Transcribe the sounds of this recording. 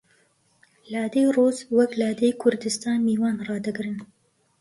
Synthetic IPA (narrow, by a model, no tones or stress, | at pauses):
laːd̪ejroːzwɐklaːd̪ejkʰʊɾd̪ɨst̪ɑːnmiːwɑːnrɑːd̪ɨɡɾɨn